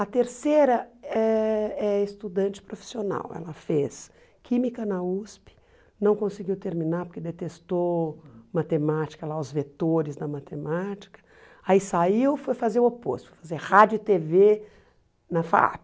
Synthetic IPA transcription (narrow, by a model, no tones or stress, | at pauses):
ɐt̪eɾseɾɐɛɛest̪ud̪ɐ̃nt͡ʃɪ̥pɾofi̥siona̰wɛ̰lɐfes | kʰĩmikɐnɐuspɪ̥ | nɐ̃w̃kõsɪɡiwt̪eɾmĩnaɾpoɾkɪd̪et̪est̪omat̪emat͡ʃi̥kɐlaʊzvet̪oɾɪzd̪ɐmat̪ʰemat͡ʃi̥kɐ̥ | aisaiwfojfazeɾopo̰st̪fojfazeɾhad͡ʒʊɪt̪eve | nɐfa̰a̰p